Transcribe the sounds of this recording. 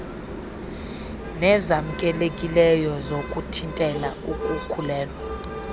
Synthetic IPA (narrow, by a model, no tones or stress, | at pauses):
nɛzam̩kʼɛlekʼilɛjɔzokʼutʰintʼɛlaukʼukʰulɛːlwa